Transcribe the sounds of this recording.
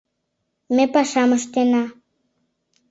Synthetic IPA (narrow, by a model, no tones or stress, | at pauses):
mepaʃaməʂt̪ena